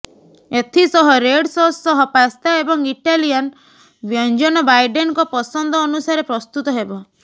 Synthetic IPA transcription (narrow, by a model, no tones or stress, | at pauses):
et̪ʰisɔɦɔɾeɽsɔsːɔɦɔpast̪aebɔŋiʈalian | bjɔnd͡ʒɔnɔbajɖenkɔpɔsɔnd̪ʱɔːnusaɾepɾɔst̪ut̪ɔɦebɔ